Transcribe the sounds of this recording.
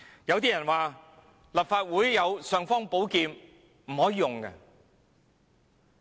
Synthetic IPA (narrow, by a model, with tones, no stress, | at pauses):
jɐ˨˧wt̪iː˥jɐ˨˩nwaː˨˩ | lɐ˨p̚faː˧t̚wuː˨˥jːɐ˨˧wsœː˨˧ŋfɔː˥ŋpo˨˥wkiː˧m | m̩˨˩hɔː˨˥jiː˧jʊ˨ŋkɐ̰˧